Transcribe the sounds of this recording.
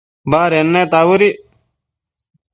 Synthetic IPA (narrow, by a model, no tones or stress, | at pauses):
baːɾenːeːt̪aːwuɾi